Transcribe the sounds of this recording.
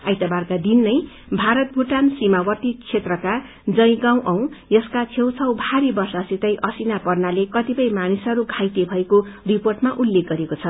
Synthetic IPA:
a̰jt̪abarkad̪inːʌj | bʱaɾʌt̪̚bʱuʈansimawʌt̪it͡sʰet̪rʌka | d͡zʌj̃ɡaw̃ʔʌw̃jʌskat͡sʰew̃t͡sʰʌwbʱaɾibʌrsʌsit̪ʌjʔʌsinapʌrnalekʌt̪ipʌjmanisʌɾuɡʱajt̪ebʱʌekoriporʈmaʔulːek̚ɡʌɾekot͡sʰʌ

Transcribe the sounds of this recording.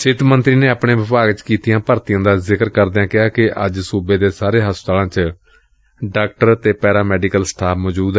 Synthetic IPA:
sɪt̪mənt̪ɾiːneːəpɳeːʋɪpaːɡt͡ʃkiːt̪ijãːpəɾt̪ɪjãːd̪aːzɪkəɾkəɾd̪ejãːkɪɦaːkɪʔə̰d͡ʒsuːbeːd̪eːsaːɾeːɦəst̪aːlãːt͡ʃ | ɖaːk̚ʈəɾt̪eːpɛːɾaːmɛːɖiːkəlsʈʰaːpʰmɔːd͡ʒuːd̪ɛ

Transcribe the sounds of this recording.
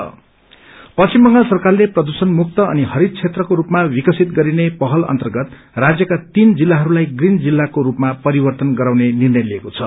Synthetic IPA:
ʌ̰ | pʌsimbʌŋɡʌlsʌrkarleprʌd̪usʌnmuk̚t̪ʌʌ̰niɦʌɾid̪̚t͡sʰet̪rʌkoɾupmawikʌsit̪ɡʌɾinepʌɦʌlʌ̰nt̪ʌrɡʌt̪ | rad͡zjʌkat̪ind͡zilːaɦʌɾulajɡrind͡zilːakoɾupmapʌɾibʌrt̪ʌnɡʌɾawnenirnʌjliekot͡sʰʌ̰

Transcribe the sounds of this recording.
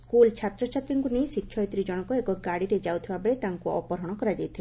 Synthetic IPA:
skult͡ʃʰat̪ɾɔt͡ʃʰat̪ɾiŋkunijsikʰːjɔjt̪ɾid͡ʒɔɽ̃ɔkɔekɔɡaɽiɾed͡ʒawt̪ʰibabeɽet̪aŋkuɔ̰pɔɾɔɽ̃ɔkɔɾad͡ʒajt̪ʰil

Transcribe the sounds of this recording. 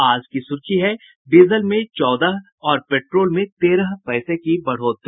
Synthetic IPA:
aːd͡ʒkisʊɾkʰiɦɛ | ɖiːzəlmẽt͡ʃɔːd̪əɦ | ɔːɾpeːʈɾoːlmẽt̪eːɾəɦpɛːsekibɐɽ̤ɦoːt̪ː

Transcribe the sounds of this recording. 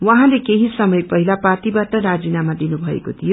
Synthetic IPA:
wʌɦãlekeɦisʌmʌjpʌɦilaparʈibaʈʌɾad͡zinamad̪inubʱʌḛkot̪ʰijo

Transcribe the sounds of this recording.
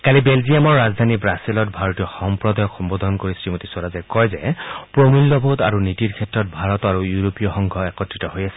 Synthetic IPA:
kalibelziamɔɹːazd̪ʱanibɹasilɔtbʱaɹɔtijɔxɔmpɹɔd̪ajɔkxɔmbod̪ʱɔnkoɹisɹimotisɔɹazɛkɔjzɛpɹomulːɔbʱouta̰ɹunitiɹkʰɛtɹɔt̚bʱaɹɔtɔaɹujuɹopijɔxɔŋɡʱɔɛkɔtːɹitɔɦojasɛ̥

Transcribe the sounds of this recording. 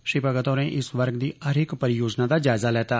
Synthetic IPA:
ʃipaɡət̪oɾẽʔɪsʋəɾɡd̪iɐɾɪkpɐɾɪjoːd͡ʒnad̪ad͡ʒaːɪzalɛːt̪aː

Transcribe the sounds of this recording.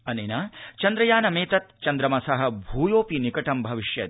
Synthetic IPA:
ɐneːnat͡ʃɐnd̪ɾɐjaːnɐmeːt̪ɐt̪t͡ʃɐnd̪ɾɐmɐsɐɦɐ̆bʱuːjoːpinikɐʈɐmbʱɐʋiʃjɐ̰

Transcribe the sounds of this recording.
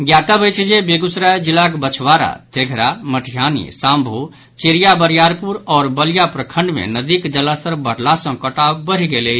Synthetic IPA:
ɡjat̪abəjt͡ʃʰid͡ʒebeɡusɾajd͡ʒilakbət͡ʃʰʋaɾa̰t̪ʰeɡʱɾaməʈʰijanḭsãːmbʱo | t͡ʃeɾijabəɾjaːɾpuɾɔːɾbəljapɾəkʰə̃ɳɖmḛ̃nəd̪ikd͡ʒəlast̪əɾbəɽ̤lasə̃kəʈabəɾiɡele

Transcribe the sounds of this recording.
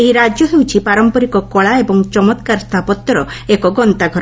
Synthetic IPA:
eɦiɾad͡ʒɔɦewt͡ʃʰipaɾɔmpɔɾikɔkɔɭaebɔŋt͡ʃɔmɔt̪kaɾst̪ʰapɔt̪ːɔɾɔekɔɡɔnt̪aɡʱɔɾ

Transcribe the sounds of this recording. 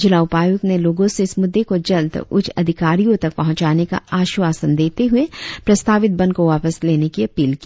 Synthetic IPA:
d͡ʒɪlaːʊpaːjʊkneloːɡõseɪsmʊd̪ːekod͡ʒɐld̪ʊ̰t͡ʃʰɐd̪ʱɪkaːɾijõt̪ɐk̚pɐɦʊ̃ɲt͡ʃaːneka̰aːʃuaːsənd̪eːt̪eɦʊepɾɐst̪ʰaːʋɪt̪̚bɐ̃nkoʋaːpəsleːnekiɐpiːlki

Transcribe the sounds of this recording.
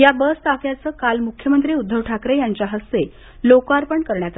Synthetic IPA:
jabəst̪akjat͡səːkalmukʰjəmənt̪ɾiːud̪ʱːəʋʈʰakɾejaɲt͡ɕjaɦəst̪e | lokaɾpəɳkəɾɳjat̪a

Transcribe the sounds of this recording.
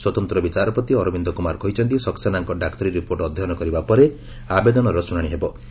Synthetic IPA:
swɔt̪ɔnt̪ɾɔbit͡ʃaɾɔpɾɔt̪iɔɾɔbind̪ɔkumaɾkʰɔɦit͡ʃʰɔnt̪isɔksanaŋkɔɖakt̪ɔɾiɾːipoɾʈɔd̪ʱːɔɦɔnɔkɔɾibapɔɾe | abed̪ɔnɔɾɔsuɽaɽ̃iɦebɔ

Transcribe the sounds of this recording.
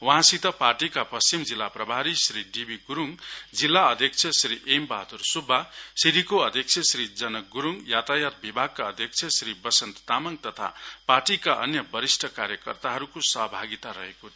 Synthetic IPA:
wʌɦãsit̪ʌparʈikapʌst͡ɕimd͡zilːaprʌbʱaɾisɾiɖibiɡuɾuŋd͡zilːaʌd̪ʱjʌk̚t͡sʰʌsɾiʔembaɦt̪ursubʱːasiɾikoʌd̪ʱjʌk̚t͡sʰʌsɾid͡zʌnʌk̚ɡuɾuŋjat̪ajat̪̚bibʱaɡ̚kaʌd̪ʱjʌk̚t͡sʰjʌsɾibʌsʌnt̪t̪amʌŋt̪ʌt̪ʰa̰parʈikaʔʌ̰njʌbʌɾisʈʰʌkaɾjʌkʌ̰rt̪aɦʌɾukosʌɦʌbʱaɡit̪aɾʌɦeko

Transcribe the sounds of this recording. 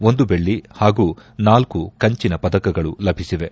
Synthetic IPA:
o̞nd̪ube̞ɭːihaːɡuːnaːlkukɐɲt͡ʃinɐpɐd̪ɐkɐɡɐɭulɐbʱisiʋe̞

